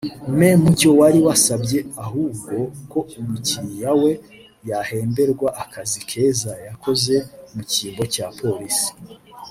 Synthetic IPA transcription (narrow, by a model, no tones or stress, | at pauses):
me̞muco̞waɾiwasabje̞ahuːb̚ɡo̞ko̞umucijawe̞ | jahe̞ːmbe̞ɾɡwaʔakazikʰe̞ːzajako̞ze̞muciːmbo̞capʰo̞ɾisi̥